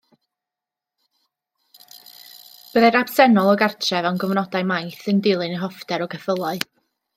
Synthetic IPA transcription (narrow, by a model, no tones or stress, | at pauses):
b̥əðɛɾab̥sɛnɔlˠɔɡartʰrɛvɛwnɡɔvnɔdajmajθəndɪlˠɨnəɦɔfdɛɾɔɡəfəlˠɔɨ